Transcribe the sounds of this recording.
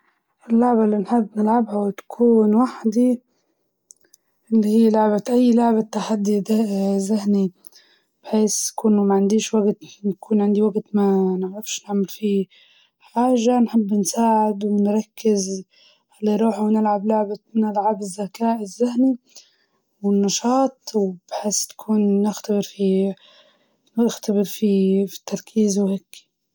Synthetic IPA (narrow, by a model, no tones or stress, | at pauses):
ʔɪlːʊʕbalːinħɪbːnɪlʕabhawt̪ḁkʰuːnwaħd̪i | ʔɪlːihiːlʊʕbat̪ʔajːlʊʕbat̪ːaħad̪ːid̪zahni | b̥ħeːskʊnːumaʕand̪iːʃwaɡt̪nakuːnʕɪnd̪iwaɡt̪manɪʕɾˤɪfʃnɪʕmɪlfi | ħaːʒanħɪbːnsaːʕɪd̪wɪnɾˤɑkːɪz | halːiɾˤuːħwnɪlʕablʊʕbanɪlʕabɪzːakaːʔɪzːahni | wɪnːɑʃɑːt̪ˤwɪb̥ħeːst̪ḁkʰuːnːɪxt̪abɪɾfi | ɪxt̪abɪɾfifi̥t̪ʰːɑɾˤkʰiːzwheːkː